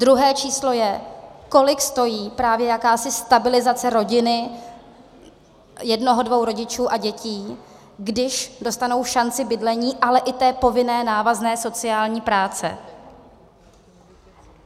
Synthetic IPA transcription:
dɾuɦɛːt͡ʃiːslo̞jɛko̞lɪkst̪o̞jiːpɾaːvjɛjakaːsɪst̪abɪlɪzat͡sɛɾo̞ɟɪnɪ | jɛdno̞ɦodvo̞wɾo̞ɟɪt͡ʃuːʔaɟɛciː | ɡdɪʃdo̞st̪ano̞wfʃant͡sɪbɪdlɛɲiːʔalɛʔɪt̪ɛːpo̞vɪnɛːnaːvaznɛːso̞t͡sɪaːlɲiːpɾaːt͡sɛ̰

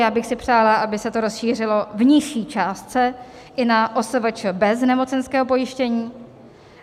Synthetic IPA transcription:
jaːbɪxsɪpr̝̥aːlaʔabɪsɛt̪o̞ɾo̞sʃiːr̝ɪlo̞vɲɪʃiːt͡ʃaːst̪t͡sɛ | ʔɪnaʔo̞svɛt͡ʃbɛznɛmo̞t͡sɛnskɛːɦo̞po̞jɪʃcɛɲiː

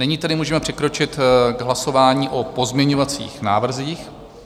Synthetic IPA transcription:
nɛɲiːt̪ɛdɪmuːʒɛmɛpr̥ɛkɾo̞t͡ʃɪt̪ɡɦlaso̞vaːɲiːʔo̞po̞zmɲɛɲovat͡sḭːxna̰ːvr̩ziːx

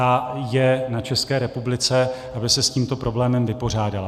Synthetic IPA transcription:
ajɛnat͡ʃɛskɛːɾɛpublɪt͡sɛʔabɪsɛsciːmt̪o̞pɾo̞blɛːmɛmvɪpo̞r̝aːdala

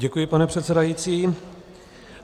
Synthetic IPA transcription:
ɛkujɪpanɛpr̝̥ɛt̪sɛdajit͡siː

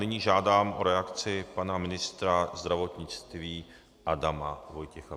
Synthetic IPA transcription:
nɪɲiːʒaːdaːmʔo̞ɾɛakt͡sɪpanamɪnɪst̪ɾazd̪ɾavo̞t̪ɲɪt͡st̪viː | ʔadamavo̞jcɛxa

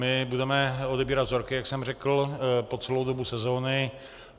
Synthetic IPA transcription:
mɪbudɛmɛodɛbiːɾad̪zo̞ɾkɪjaksɛmrɛkl̩po̞t͡sɛlowdobusɛzo̞ːnɪ

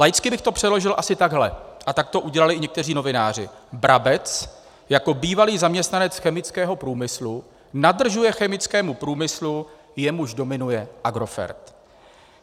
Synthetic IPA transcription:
lajɪt͡skɪbɪxt̪o̞pr̝̥ɛdlo̞ʒɪlʔasɪt̪aɡɦlɛ̰ʔat̪ak̚t̪o̞ʔuɟɛlalɪʔɪɲɛkt̪ɛriːno̞vɪnaːr̝ɪ̰bɾʔabɛt͡s | jako̞biːvaliːzamɲɛst̪nanɛt͡sxɛmɪt͡skɛːɦo̞pɾuːmɪslu | nadr̩ʒujɛxɛmɪt͡skɛːmupɾuːmɪslu | jɛmuʒdo̞mɪnujɛʔaɡɾo̞fɛ̰ɾt̪

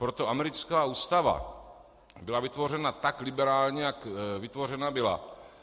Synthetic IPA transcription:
pɾot̪o̞ʔamɛɾɪt͡skaːuːst̪ava̰ | bɪlavɪt̪vo̞r̝ɛnat̪aklɪbɛɾaːlɲɛjakvɪt̪vo̞rɛnabɪla̰

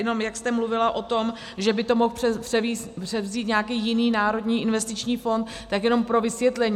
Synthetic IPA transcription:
jɛno̞mjakst̪ɛmluvɪlaʔo̞t̪o̞m | ʒɛbɪt̪o̞mo̞xɛpr̥ɛi | pr̥ɛvziːt̪ɲakiːjɪniːnaːɾo̞d̪ɲiːʔɪnvɛst̪ɪt͡ʃɲiːfo̞nt̪ːakjɛno̞mpɾo̞vɪsvjɛt̪lɛɲ

